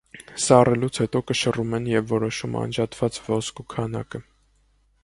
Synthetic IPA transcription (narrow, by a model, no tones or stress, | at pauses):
sɑrɛlut͡sʰhɛt̪ɔkəʃərumɛnjɛvːɔɾɔʃumɑ̰nd͡ʒɑt̪vɑt͡svɔskukʰɑnɑ̰kə